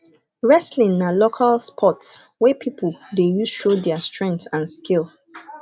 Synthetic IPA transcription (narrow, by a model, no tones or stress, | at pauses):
ɹɛslĩnnalokʰalspʰɔts | wɛpʰipʰəldejuzʃodɛastɹɛ̃ŋktãnskilˠ